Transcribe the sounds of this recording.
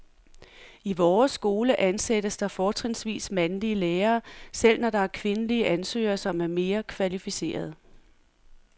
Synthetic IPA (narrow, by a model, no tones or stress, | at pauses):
iʋɒːsɡ̥o̝ːləʔænsed̥əsd̥ɑ̈fɒːt͡sʰʁensʋḭːsmænliəleːɐːsel̰nɒd̥ɑ̈æɐkʰʋe̝nəliəʔænsø̰ːɐsɒ̽mæɐme̝ːɐkʰʋælifise̝̰ːɐð̞̩ˠ